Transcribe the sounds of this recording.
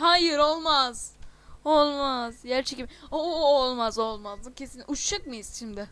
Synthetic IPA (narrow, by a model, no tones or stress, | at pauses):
hajɯɾo̞lˠmaz̥olˠmaz̥jæɾt͡ʃʰecimoolˠmazo̞lˠmazd̪ɯcʰesinʲʔuʃt͡ʃak̚mɯjiz̥ʃimd̪ɪ